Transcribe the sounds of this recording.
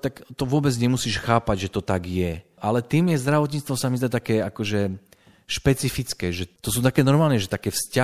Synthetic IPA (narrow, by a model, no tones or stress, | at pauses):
t̪akt̪ɔʋʊɔbɛd͡zɲɛmusiːʃxaːpaɟʒɛt̪ɔt̪aɡjɛ | ʔalɛt̪iːmjɛzd̪ɾaʋɔt̪̬ɲit͡st̪ʋɔsamizd̪at̪akɛːakɔʒɛ | ʃpɛt͡sifit͡skɛːʒɛt̪ɔs̬uːt̪akɛːnɔɾmaːlnɛʒɛt̪akɛːfsca